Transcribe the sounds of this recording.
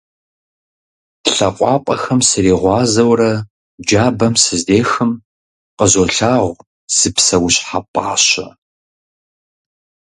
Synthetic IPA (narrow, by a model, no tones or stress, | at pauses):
ɬɐqʷʼɑːpʷʼɐ̰xɐmsɨɾiːʁʷɑːzɐwrɐ | d͡ʒaːbɐmsɨzdeːxɨm | qəzoɬaːʁʷ | sɨpsɐwɕʼħapʼaːɕɐ̰